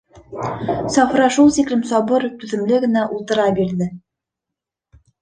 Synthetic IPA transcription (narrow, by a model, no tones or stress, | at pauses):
sɑfɾɑʃulˠsiklɘmsɒβɤɾt̪ʉðɘ̆mlɘɡɘ̆næʔulˠt̪ɤ̆ɾɑbiɾðɘ